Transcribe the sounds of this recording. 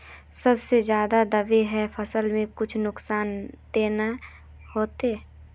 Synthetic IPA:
sɐbsezjaːd̪ad̪ɐʋeɦɛfʰɐsəlmẽkʊt͡ʃʰnʊksaːnd̪eːna | hoːt̪e

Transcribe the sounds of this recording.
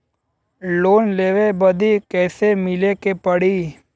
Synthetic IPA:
loːnleːʋebɐd̪ʱikɛːsemɪlekepɐɽiː

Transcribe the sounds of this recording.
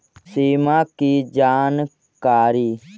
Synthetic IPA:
siːmaːkiːd͡ʒaːn | kaːɾiː

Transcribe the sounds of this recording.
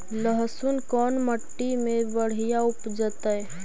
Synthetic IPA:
ləɦsʊnkɔːnməʈːimẽbəɽ̤ijaʊpd͡ʒət̪əɛ

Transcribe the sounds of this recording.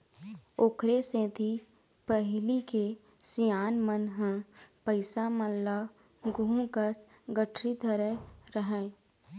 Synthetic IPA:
oːkʰɾesẽːt̪i | pəɦlike | sijaːnmənɦə̃pəɪsaməlːa | ɡuũkəs | ɡəʈʰɾid̪ʱəɾɛɾəɦɛ̃ː

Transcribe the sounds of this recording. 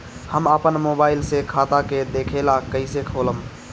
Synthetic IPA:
həməpənmobaːɪlsekʰat̪aked̪ekʰelakəɪsekʰoləm

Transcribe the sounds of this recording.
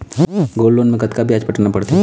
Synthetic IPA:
ɡoːlːoːnmẽkɐt̪kabʱiaːd͡ʒpɐʈnapɐɽt̪i

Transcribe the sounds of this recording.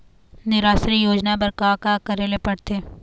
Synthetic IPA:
nɪɾaːsɾijoːd͡ʒnabɐɾkakakɐɾelepɐɽt̪eː

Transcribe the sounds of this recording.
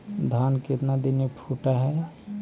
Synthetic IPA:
d̪ʱaːnkɪt̪nad̪ɪnepʰuːʈaɦɛ

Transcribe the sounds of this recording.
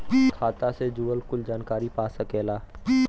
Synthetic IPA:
kʰaːt̪ased͡ʒuːəlkʊld͡ʒaːnkaːɾipaːsɐkeːlaː

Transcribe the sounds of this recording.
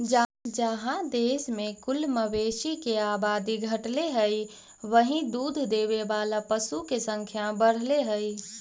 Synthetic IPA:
d͡ʒd͡ʒəɦãd̪eːsmekʊlməʋeʃikeaːbaːd̪iɡʱəʈleɦəj | ʋəɦĩd̪uːd̪ʱd̪eʋebalapəsukesə̃ŋkʰjabəɽ̤leɦəj

